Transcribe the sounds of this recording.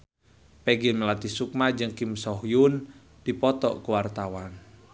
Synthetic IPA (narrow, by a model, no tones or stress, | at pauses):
pɛɡimelat̪isuk̚mad͡ʒɨŋkimsɔɦjun | d̥ipɔt̪ɔ̰ʔkuwart̪awan